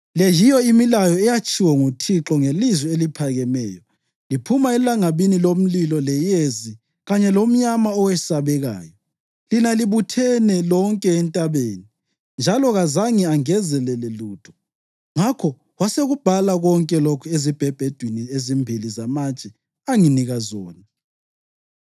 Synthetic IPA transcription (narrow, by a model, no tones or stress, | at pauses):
lɛjijɔimilajɔɛjat͡ʃʼʰiwɔŋutʰiǁɔŋelizwɛelipʰaɣɛmɛ̰ːjɔ | lipʰumaɛlaŋaβinilom̩lilɔlɛjezi | ɣaɲɛlom̩ɲamaɔwɛsaβɛɣa̰ːjɔ | linaliβutʰɛnɛlɔŋkʼɛːntʼaβeːni | nd͡ʒʱalɔɣazaŋiaŋɛzɛlɛlɛluːd̥ʰʱɔ̥ | ŋakʰɔ | waseɣub̥ʱalaɣɔŋkʼɛlokʰuezib̥ʱɛb̥ʱɛd̥ʱwiniezimbʱilizamat͡ʃʼɛ | aŋiniɣazɔ̰ːni